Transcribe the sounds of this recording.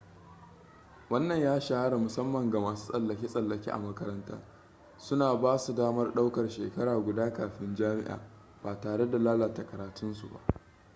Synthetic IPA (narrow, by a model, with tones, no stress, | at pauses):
wɐ˦nːɐ˨ɲjaː˦ʃa˦ha˦ɽa˨mʊ˨sɐ˦mːɐ˨ŋɡa˨maː˨su̥ː˦sʼɐ˨lːɐ˨kʲiː˦sʼɐ˨lːɐ˨kʲḭː˦ʔa̰˨mɐ˦kɐ˦ɾɐ˦nta̰ː˦ | sʊ˦naː˨baː˦su˨daː˦mɐ˦rɗa˦wkɐ˨rʃeː˨kɐ˦ɽaː˨ɡʷʊ˨daː˦kaː˨ɸɪ˦nd͡ʒaː˦mɪ̰˦ʔa̰ː˨ | b̥aː˨taː˨ɽe˦da˨laː˦laː˨ta˨kɐ˨ɾaː˨tʊ˦nsu˨ba̰˨ʔ